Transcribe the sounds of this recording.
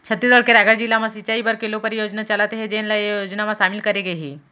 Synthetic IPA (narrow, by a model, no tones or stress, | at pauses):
t͡ʃʰət̪ːɾisəɽkeɾaːɡəɾd͡ʒilːamãsɪt͡ʃaːibəɾkelopɐɾjoːd͡ʒnat͡ʃɐlaːt̪eɦɛd͡ʒenlajjjoːd͡ʒnamãʃaːmɪlkɐɾeɡɐɦiː